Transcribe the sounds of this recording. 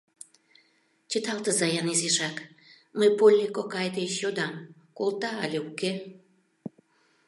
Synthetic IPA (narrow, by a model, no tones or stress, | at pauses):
t͡ɕət̪ɑlt̪əzɑjɑnizeʃɑk | məjpolʲnʲikokɑjd̪eʃjod̪ɑmkolˠt̪ɑɑ̰lʲeuke